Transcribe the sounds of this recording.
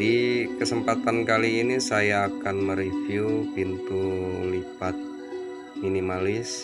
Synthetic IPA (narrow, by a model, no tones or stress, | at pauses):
ikəsəmpat̪ankaliːnisajaːkanməɾifjupint̪ulipat̪̚ | minimalɪs